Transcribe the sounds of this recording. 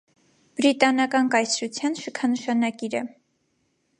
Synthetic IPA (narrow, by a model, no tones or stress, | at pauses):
b̥ɾit̪ɑnɑkɑnkɑjt͡sʰɾut͡sʰjɑnʃəkʰɑnəʃɑnɑkiɾɛ